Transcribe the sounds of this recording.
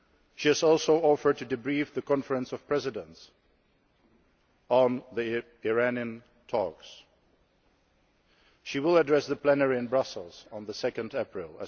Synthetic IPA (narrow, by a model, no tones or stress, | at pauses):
ʃiɨzɔlˠsoʊɔfə˞d̚tʰɨdɨbɹifðɨkʰɑ̃nfə˞ə̃nsʌv̥pʰɹ̥ɛzɨdə̃ns | n̩ði | ɪɹæniɨ̃n | tʰɔks | ʃiwɪlˠədɹɛsðəpʰl̥ɛnəɹiɨ̃nbɹʌsl̩ˠz̥n̩ðəsɛkɨ̃ndɛpɹɪlˠə̰